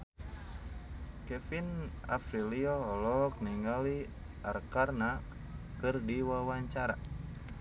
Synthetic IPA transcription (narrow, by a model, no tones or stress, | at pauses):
kɛfin | afɾiliɔɦɔlɔk̚niŋali | arkarna | kɨrdiwawaɲt͡ʃaɾa